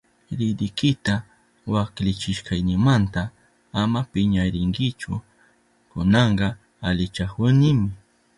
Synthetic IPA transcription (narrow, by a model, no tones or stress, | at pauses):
ɾɪd̪ɪkɪt̪a | waklɪt͡ʃɪʃkajnɪmant̪a | amapɪɲaɾɪŋɡɪt͡ʃʊ̰ | kʊnɑɴɢɑ | alɪt͡ʃakʊnɪmɪ